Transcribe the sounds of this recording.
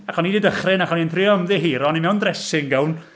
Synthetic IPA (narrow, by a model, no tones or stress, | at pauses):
akɔnididəχrɪnaχɔninθʰrɪɔmðɪɦiːɾɔnimɛwndrɛsɪŋɡɛln